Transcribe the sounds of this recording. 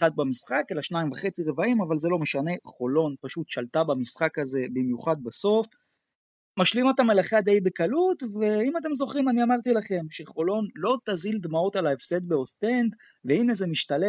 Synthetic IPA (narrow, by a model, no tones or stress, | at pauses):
ad̪̚bamisχakelaʃnaimvaχe̞t͡siʁe̞vaimavalze̞lo̞meʃane̞χo̞lo̞npaʃut̪ʃalt̪abamisχakaze̞bimjuχad̪̚baso̞f | maʃlimot̪amelaχad̪e̞jbekalut̪ve̞imat̪̬e̞mzo̞χʁimaniamaʁt̪ilaχe̞mʃe̞χo̞lo̞nlo̞t̪azild̪mao̞t̪alaefse̞d̪beo̞st̪e̞nd̪ | ve̞ine̞ze̞miʃt̪ale